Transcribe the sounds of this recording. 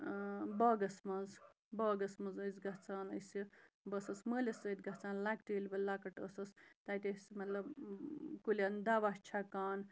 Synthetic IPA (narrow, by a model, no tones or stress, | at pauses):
bɔːɡɐsmɐz | bɐːɡɐsmɐzɐzɡɐt͡saːnəsi | bɐsɐsməːlʲɐsət̪ɡɐt͡saːnlak̚ʈiːlʲbɐlaːkɐʈəsɐst̪at̪esimɐt̪lɐbkulʲaːnd̪aːʋast͡ʃʰakaːn